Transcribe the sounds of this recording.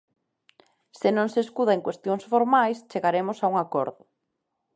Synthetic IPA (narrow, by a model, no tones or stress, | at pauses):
sɪnõŋseskuðaeŋkwest̪joŋsfoɾmajst͡ʃeɣaɾemʊsauŋakɔ̰ɾðʊ